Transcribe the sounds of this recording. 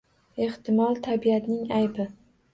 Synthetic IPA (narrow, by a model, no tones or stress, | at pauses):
e̞ht̪ʰɪmɒlˠt̪ʰabiat̪nɪŋajbɪ